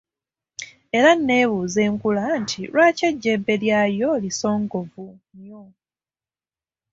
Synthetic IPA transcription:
e̞ɾanːe̞ːβuze̞ːŋkulantʰilwaːceɟːebːe̞ljajo̞liso̞ːŋɡo̞vuɲjo

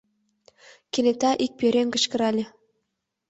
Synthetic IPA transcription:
kʲenʲet̪ɑʔik̚pʲeɾʲeŋkə̆ɕkə̆ɾɑlʲĕ

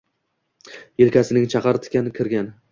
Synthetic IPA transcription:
jelˠkʲʰasɪnɪŋt͡ʃʰɑqʰɑɾɪt̪ʰɪ̥kʲanɪkʲʰɪɾɡʲan

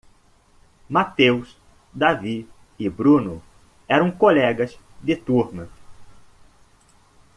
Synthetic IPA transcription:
mat̪ews | d̪avi | ɪbɾũnʊ | ɛɾɐ̃w̃kolɛɡɐz | d̪ɪt̪uɾnɐ

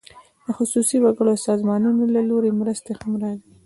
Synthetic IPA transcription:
d̪əxʊsusiwaɡəɽosɑzmɑnunolaloɾemɾəst̪examɾɑwi

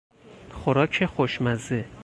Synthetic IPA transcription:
xoɾɒːcʰexoʃmæze

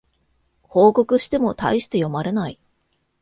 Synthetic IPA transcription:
ho̞ːko̞kɯ̟ɕi̥t̪e̞mo̞t̪a̰iɕi̥t̪e̞jo̞maɾe̞nai

